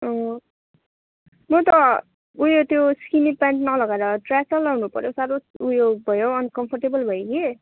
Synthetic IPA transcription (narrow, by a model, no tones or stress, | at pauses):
ʌ | mʌt̪ʌ | ujot̪joskinipanʈnʌlʌɡaɾʌʈrasʌlʌwnupʌ̰ɾjosaɾoujoɡbʱʌjoʌnkʌmpʰʌrʈebʌlbʱʌjoke